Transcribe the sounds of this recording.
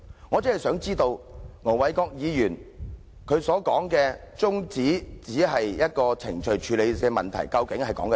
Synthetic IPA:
ŋɔː˨˧t͡sɐ˥˨jsœː˨˥ŋt͡siː˥t̪o˧wŋɔ˨˩wɐ˨˥jkɔː˧k̚jiː˨˧jyː˨˩n | kʰɵ˨˧ɥsɔː˨˥kɔː˨˥ŋkɛː˧ | t͡sʊ˥ŋt͡siː˨˥t͡siː˨˥ɦɐ˨jjɐ˥t̚kɔː˧t͡sʰɪ˨˩ŋt͡ʃʰɵ˨˩ɥt͡ʃʰyː˨˧le˨˧jɛː˧mɐ˨nt̪ʰɐ̰˨˩jkɐ˧wkɪ˨˥ŋhɐ˨jkɔ̰ː˨˥ŋk

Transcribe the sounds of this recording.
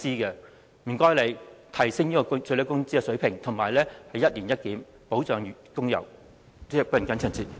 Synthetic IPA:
t͡siː˥kɛː˧ | m̩˨˩kɔː˥jle˨˧jt̪ʰɐ˨˩jsɪ˥ŋjiː˥kɔ˧˥t͡sʰɵ˧ɥlːkʊ˥ŋt͡siː˥kɛ˧sɵ˨˥ɥpʰɪ˨˩ŋt̪ʰʊ˨˩ŋmaː˨˩jlɛː˥hɐ˨jɐ˥t̚liː˨˩njɐ˥t̚kiː˨˥m | po˨˥wt͡sœː˨ŋː˨kʊ˥ŋjɐ̰˨˩w | t͡sɛː˥˩pːnkɐ˨˥nt͡sʰœː˨˩nt͡siː˨˧t̚

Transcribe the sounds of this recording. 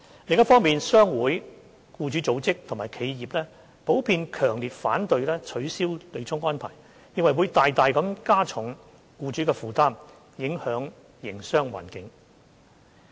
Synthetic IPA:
lɪ˨˧ŋjɐ˥t̚fɔː˥ŋmiː˨nsœː˥ŋwuː˨˥j | kuː˧t͡ʃyː˨˥t͡so˨˥wt͡sɪ˥k̚t̪ʰʊ˨˩ŋmaː˨jkʰe˨˧jjiː˨p̚lɛː˥ | po˨˥wpʰiː˧nkʰœː˨˩ŋliː˨t̚faː˨˥nt̪ɵ˧ɥlɛː˥t͡ʃʰɵ˨˥ɥsiː˥wle˨˧t͡sʰʊ˥ŋwɔː˥npʰa̰ː˨˩j | jɪ˨˧ŋwɐ˨˩jwuː˨˧jt̪aː˨jt̪aː˨jkɐ˨˥mkaː˥t͡sʰʊ˨˥ŋ | kuː˧t͡ʃy˨˥kɛː˧fuː˨˩t̪aː˥m | jɪ˨˥ŋhœː˨˧˥ŋ | jɪ˨˩ŋsœː˥ŋwa̰ː˨˩nkɪ˨˧ŋ

